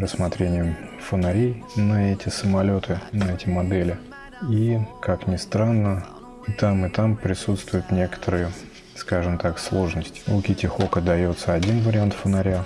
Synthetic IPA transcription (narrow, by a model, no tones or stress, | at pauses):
ɾəsːmɐt̪ɾʲenʲɪjəfənɐɾʲejnəɛtʲɪsəmɐlʲo̞t̪ʰɨnəɛtʲɪmɐd̪ɛlʲɪ | ikaknʲɪst̪ɾanːə | t̪amɨt̪ampɾʲɪsut̪st̪vʊjʊt̪nʲe̞kə̥t̪ʰəɾɨjə | skaʐɨmt̪akslˠo̞ʐnəsʲtʲɪ̥ukʲɪtʲɪxo̞kəd̪ɐjo̞t̪səɐdʲinvəɾʲɪant̪fənɐɾʲa